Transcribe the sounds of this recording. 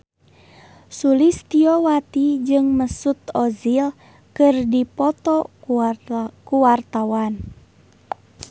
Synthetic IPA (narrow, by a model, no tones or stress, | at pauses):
sulist̪iɔwat̪id͡ʒɨŋməsut̪ɔzil | kɨrdipɔt̪ɔ | kuwart̪awan